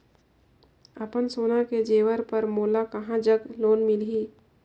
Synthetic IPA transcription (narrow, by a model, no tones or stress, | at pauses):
əpənsoːnaked͡ʒeːʋəɾpəɾmoːlakɐɦãd͡ʒəɡloːnmɪlɦiː